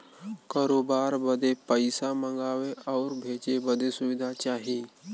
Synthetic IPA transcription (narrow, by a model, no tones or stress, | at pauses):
kaːɾoːbaːɾbəd̪epəɪsamə̃ŋɡaːweɔːɾbʱeːt͡ʃebəd̪esʊʋɪd̪ʱat͡ʃaːɦiː